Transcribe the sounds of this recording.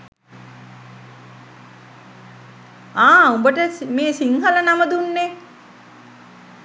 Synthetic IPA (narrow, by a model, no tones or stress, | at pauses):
aːumbəʈəsmeːsiŋɦələnaməd̪unːe